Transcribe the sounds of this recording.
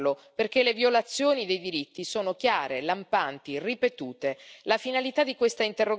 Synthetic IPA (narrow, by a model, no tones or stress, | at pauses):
loperk̟elevjolat̪sːjoːnid̪ejd̪iɾit̪ːisoːnokjaːɾelampant̪iripet̪uːt̪elafinalit̪ad̪ikwest̪aint̪erːo